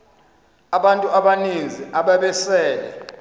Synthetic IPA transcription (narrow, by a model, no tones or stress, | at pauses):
aɓantʼuaɓanind͡zʱiʔaɓaɓɛsɛːlɛ̰